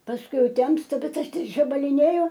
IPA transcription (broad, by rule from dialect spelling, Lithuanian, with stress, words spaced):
pɐsˈkʊɪ ˈjɛʊ ˈtʲɛmstɐ ˈbʲɛt ˈɐʃ ˈtʲɪk ʒɐbɐlʲɪˈnʲeːjʊ